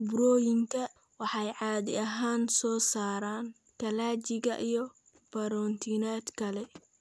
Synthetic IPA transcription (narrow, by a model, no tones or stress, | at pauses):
bʊɾɔːjɪŋkʰɐ | wɑħɑjʕɑːðɪɐɦaːnsɔːsaːɾaːn | kʰɐlaːt͡ʃɪɣɐʔijɔ | b̥ɐɾɔːnt̪ʰinaːd̪kʰɐlɛ